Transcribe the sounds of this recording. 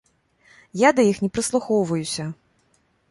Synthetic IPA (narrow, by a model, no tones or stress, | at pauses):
jad̪ɐjixnʲɛpɾɨslˠuxɔwvɐjusʲɐ